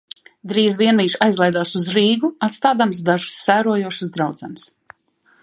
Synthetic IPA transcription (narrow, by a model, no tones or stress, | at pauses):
d̪ɾiːzviɛnmiːʃajzlˠajd̪aːsuzɾiːɡuat̪st̪aːd̪amsd̪aʒɨ̥sːæːɾuɔjuɔʃsd̪ɾawd̪z̥ams